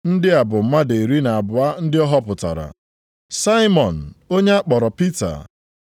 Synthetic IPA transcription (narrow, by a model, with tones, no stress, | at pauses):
n̩˦dɪ˦a˨bʊ˨m̩˦ma˦de˨ɾi˦na˨a˨bʊ˨a˦n̩˦dɪ˦ɔ˦ɦɔ˦pʊ˨ta̰˨ɾa̰˨ | sa˦ɪ˦mɔ˨n̩˨o˦ɲe˦a˦k͡pɔ˨ɾɔ˨pi˦ta̰˨